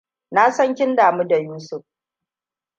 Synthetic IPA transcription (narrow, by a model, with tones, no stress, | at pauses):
na˦sɐ˦ŋkʲɪ˦ndaː˨mu˦da˨juː˦sʊ˦˨ɸ